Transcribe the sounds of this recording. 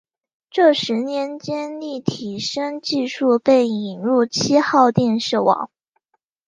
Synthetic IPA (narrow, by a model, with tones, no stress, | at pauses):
ʈ͡ʂɤ˥˩ʂɻ̩˧˥njɛ˧˥nt͡ɕjɛ˥nli˥˩t̪ʰi˨˩ʂɤ˥ŋt͡ɕi˥˧ʂu˥˧pe˥˩ɪi˨˩ŋɻu˥˩t͡ɕʰi˥xɑ˥˧ʊt̪jɛ˥˧nʂɻ̩˥˩wɑ̰˨˩˦ŋ